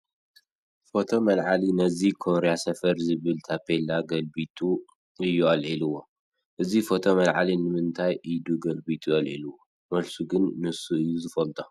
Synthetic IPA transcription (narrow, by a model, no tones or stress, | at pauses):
fo̞t̪ʰo̞mɐlʕalinɐzikʰonɾejasɐfɐɾzɨβɨlt̪ʰapʰelaɡɐlbit̪ʰu | ɨjːuʔɐlʕiluwo | ʔɨzifo̞t̪ʰo̞mɐlʕa̰linɨmɨnt̪ʰajʔid̪uɡɐlbit̪ʰuʔɐlʕḭluwo | mɐlsuɡɨnːɨsuɨjːuzɨfɐlt̪ʼo